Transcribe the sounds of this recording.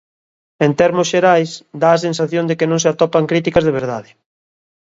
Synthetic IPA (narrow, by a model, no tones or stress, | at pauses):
ent̪ɛɾmosʃeɾajsd̪aːs̬ensaθjõnd̪ekɪnõŋsɪat̪ɔpaŋkɾit̪ikazðeβ̞eɾð̞a̰ðɪ